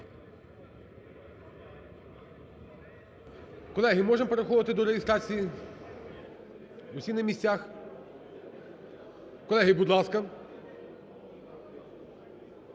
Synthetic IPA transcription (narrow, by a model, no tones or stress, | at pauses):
kɔlˠɛɦɪmɔʒɛmɔpeɾɐxɔʋɐt̪ɪd̪ɔɾɛɦʲɪst̪ɾɑt͡sʲiji | ʊsʲinɐmʲisʲt͡sʲax | kɔlˠɛɦɪbud̪lˠɑskɐ